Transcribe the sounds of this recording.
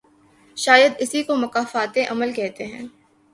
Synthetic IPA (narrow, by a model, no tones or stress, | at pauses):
ʃaːjəd̪ɪsikomɐkaːfaːt̪eʔɐməlkɛɦt̪eɦɛ̰̃ː